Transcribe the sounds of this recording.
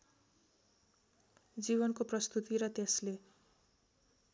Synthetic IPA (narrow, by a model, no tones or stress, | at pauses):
d͡ziβʌnkoprʌst̪ut̪iɾʌt̪esle